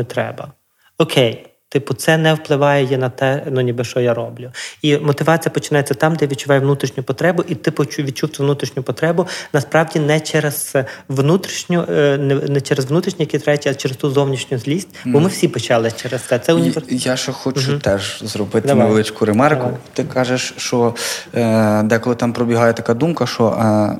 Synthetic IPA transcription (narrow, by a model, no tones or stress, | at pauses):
nɛt̪ɾɛ̰bɐ | ɔkʰej | t̪ɪpʊt̪sɛnɛwplˠɪʋɑjɛjɛnɐt̪ɛnʊnʲibɪʃt͡ʃɔjaɾɔblʲʊimɔt̪ɪʋɑt͡sʲijɐpɔt͡ʃɪnɑjet͡sʲːɐt̪ɑmd̪ɛjʋʲid̪̚t͡ʃʊʋɑjɛʋnut̪ɾʲiʃnʲʊpɔt̪ɾɛbʊʔit̪ɪpɔt͡ʃuʋʲid̪̚t͡ʃuwt̪ɪʋnut̪ɾʲiʃnʲʊpɔt̪ɾɛbʊnɐspɾɑwdʲinɛt͡ʃɛɾɛz̥ʋnut̪ɾʲiʃnʲʊnɛnɛt͡ʃɛɾezʋnut̪ɾʲiʃnʲijɐkʲit̪ɾajetʲit͡ʃeɾest̪uzɔwnʲiʃnʲʊzʲlʲisʲtʲbɔmɪwsʲipɔt͡ʃɑlˠɪt͡ʃɛɾest̪sɛt̪sɛʊnʲiʋejaʃɔxɔt͡ʃɦʊt̪ɛʒzɾɔbɪt̪nɐʋelˠɪt͡ʃkʊɾemɑrkʊt̪ɪkɑʒeʃt͡ʃɔ | d̪ɛkɔlˠɪt̪ampɾɔbʲiɦɑjɛt̪ɐkad̪umkɐʃɔ̰